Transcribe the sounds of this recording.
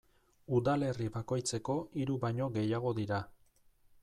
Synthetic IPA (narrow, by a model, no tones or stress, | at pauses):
uðale̞riβako̞jt͡se̞ko̞iɾuβaɲo̞ɣe̞jaɣ̞o̞ðiɾa